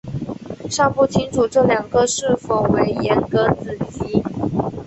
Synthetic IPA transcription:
ʂɑ˥˧ŋpu˥˩t͡ɕʰi˧˥ŋʈ͡ʂʰu˨˩ʈ͡ʂɤ˥˩ljɑ˨˩ŋɡə˧ʂɻ̩˥˩fo˨˩we˧˥ɪjɛ˧˥nkə˧˥t͡sɹ̩˨˩t͡ɕi˧˥

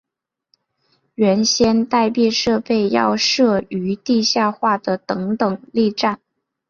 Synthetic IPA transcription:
ɥɛ˧˥nɕjɛ˥nt̪a˥˧ɪpjɛ˥˧ʂɤ˥˧pe˥˧ɪjɑ̰˥˧ʊʂɤ˥˩y˧˥t̪i˥˧ɕja˥˧xwa˥˩d̪ə˩t̪ɤ˧˥ŋt̪ɤ˨˩ŋli˥˧ʈ͡ʂa˥˩n

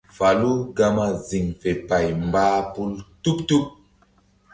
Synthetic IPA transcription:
fa˨lu˦ɡa˦ma˦zi˨ŋfe˨pa˨jmbaː˦pu˦ltu˦ptu˦p̚

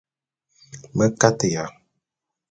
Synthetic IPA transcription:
mə˦ka˦tə˨ja˨

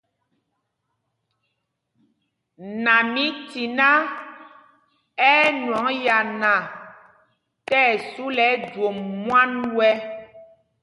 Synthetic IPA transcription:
nã˨mĩ˦ti˨nã˦ | ɛ˦nwɔ̃˨˦ŋja˨nã˨ | tɛ˦˨su˦lɛ˨˦dwo˨mːuwã˦nwɛ˦

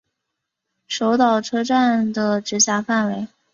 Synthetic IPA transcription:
ʂo˧˥ʊt̪ɑ˨˩ʊʈ͡ʂʰɤ˥ʈ͡ʂa˥˩nd̪ə˩ʈ͡ʂɻ̩˧˥ɕja˧˥˩fa˥˩nwe˧˥ɪ

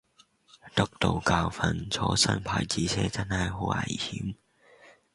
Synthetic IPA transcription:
t̪ʊ˥k̚t̪o˨wkaː˧wfɐ˧nt͡sʰɔː˨˧˥sɐ̰˥npʰaː˨˩jt͡siː˨˥t͡sʰɛː˥t͡sɐ˥nhɐ˨jɦo˨˥wʔɐ̰˨˩jhiː˨˥m

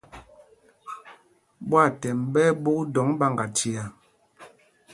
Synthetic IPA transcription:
bwa˦˨tɛ˨mbɛ˦bo˦dɔ˨˦ŋba˦˨ŋɡa˨ti˨a˨

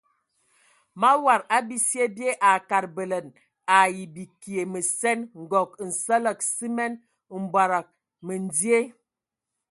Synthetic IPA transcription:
ma˦wa˨ɾa˦bi˦si˦e˦bje˦ʔa˨ka˨ɾbə˨lə˨n | a˨ji˨bi˨ki˨e˨mə˨sɛ˦nŋ̩˨ɡɔ˨k̚n̩˨sə˦lə˨k̚si˦mɛ˦n | m̩˨bwa˨ɾa˨k̚ | mə˨n˨˦di˦e˦

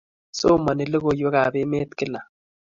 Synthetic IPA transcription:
so˦ma˨nɪ˨lə˦ɣo˨jo˦ka˨bɪ˦me˦t̪kɪ˦la˨

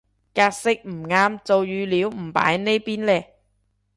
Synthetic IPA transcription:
kaː˧k̚sɪ˥k̚m̩˨˩ŋaː˧mt͡so˨wjyː˨˧liː˨˥wm̩˨˩pa̰ː˨˥jne˥jpiː˥nlɛː˧

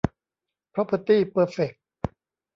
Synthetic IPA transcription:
pʰɾɔ˦˥pʰə˧t̪iː˥˩pəː˧˩fe˨˩k̚

